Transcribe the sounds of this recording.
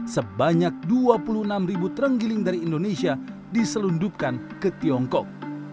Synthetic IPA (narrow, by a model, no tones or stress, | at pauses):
səbaɲak̚duapuluənamribut̪ɾəŋɡilɪŋdaɾiːndonesia | disəlundup̚kan | kət̪iɔŋkɔk̚